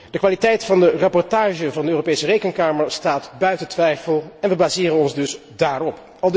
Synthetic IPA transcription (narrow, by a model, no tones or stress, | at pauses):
d̥əkʋaːlitɛjtfɑndərɑpɔɹtaːʒəvɑndəøːropejsərejkənkaːməɹstaːtbœɥtətʋɛjfəlˠɛnʋəbaːzɪːɾənɔnzdɵs | daːrɔp | ɑlˠd